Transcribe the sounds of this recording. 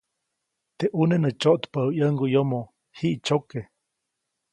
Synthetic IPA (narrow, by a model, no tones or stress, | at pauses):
t̪eʔunenət͡ʃoʔt̪pauʔjəŋɡujomo | hiʔt͡ʃoke